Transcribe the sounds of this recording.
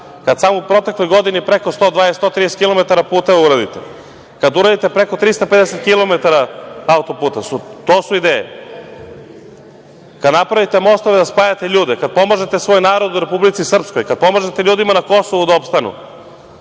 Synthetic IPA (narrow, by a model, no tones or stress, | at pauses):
kad̪samoupɾo̞t̪e̞klo̞jɡo̞d̪inipɾeko̞st̪od̪ʋaːest̪ot̪ɾijese̥t̪kilo̞met̪aɾapuːt̪auɾad̪ḭt̪e | kad̪uɾad̪it̪epɾeko̞t̪ɾist̪aped̪ɛset̪kilo̞met̪aɾaaut̪opuːt̪asut̪oːsuid̪eːjḛ | kad̪napɾaʋit̪emo̞st̪o̞ʋed̪aspaːjat̪eʎuːd̪ekad̪̚po̞maʒet̪e̞sʋo̞ːjnaːɾo̞d̪uɾe̞publit̪sisr̩pskojkad̪̚po̞maʒet̪eʎuːd̪imanako̞soʋud̪aopst̪anṵ